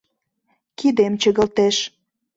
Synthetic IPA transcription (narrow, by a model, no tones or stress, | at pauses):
kid̪emt͡ɕəɣəlt̪eʃ